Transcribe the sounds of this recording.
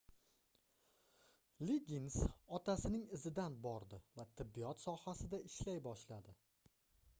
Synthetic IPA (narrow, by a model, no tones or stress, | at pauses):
liɡʲinsɒt̪ʰasɪnɪŋɪzɪd̪anbɒɾd̪ɪvat̪ʰɪbːijɒt̪sɒhasɪd̪aɪʃlajbɒʃlad̪ɪ